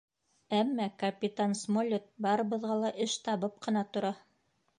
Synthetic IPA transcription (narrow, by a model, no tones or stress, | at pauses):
æmːækɐpʲit̪ansmolʲot̪̚bɑɾɤ̆βɤ̆ðʁɑlˠɑʔɘʃt̪ɑβɤp̚qɤ̆nɑt̪ŏɾɑ